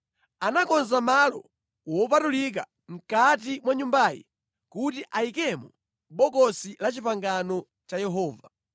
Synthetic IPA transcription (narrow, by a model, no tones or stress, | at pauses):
anakɔnzamalɔ̰ | wɔp̬atulik̬a̰ | m̩katimwaɲumbajḭ | kutiʔaikɛmɔ | ɓɔkɔsilat͡ʃipaŋɡanɔ | t͡ʃajɛɦɔːva